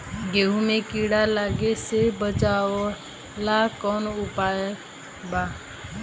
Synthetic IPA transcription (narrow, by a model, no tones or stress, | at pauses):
ɡeːɦũːmẽːkiːɽaːlaːɡeːseːbət͡ʃaːʋoː | laːkoːnʊpaːje | baː